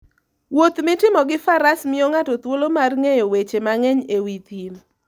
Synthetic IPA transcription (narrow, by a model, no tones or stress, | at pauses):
wot̪mɪtɪmɔɡɪfaɾasmɪoŋatɔt̪wolomarŋejowet͡ʃemaŋɛɲewit̪in